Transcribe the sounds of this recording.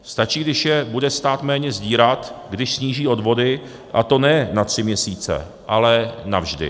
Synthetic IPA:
st̪at͡ʃiːɡdɪʃjɛbudɛst̪aːt̪mɛːɲɛzɟiːɾat̪ɡdɪʃsɲiːʒiːo̞dvo̞dɪ | ʔat̪o̞nɛnat̪r̥ɪmɲɛsiːt͡sɛ̰ | ʔalɛnavʒdɪ̰

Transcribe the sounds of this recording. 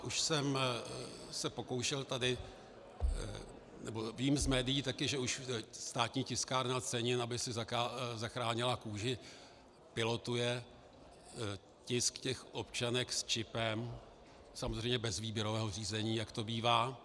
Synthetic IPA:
ʔuʃsɛm | sɛpo̞ko̞wʃɛlt̪adɪ | nɛbo̞viːmzmɛːdɪjiːt̪akɪʒɛuʃst̪aːt̪ɲiːcɪskaːɾnat͡sɛɲɪnabɪsɪzakazaxɾaːɲɪlakuːʒɪ | pɪlo̞t̪ujɛ | cɪskcɛxʔo̞pt͡ʃanɛkst͡ʃɪpɛm | samozrɛjmɲɛbɛzviːbjɛɾovɛːɦo̞riːzɛɲiːjakt̪o̞biːvaː

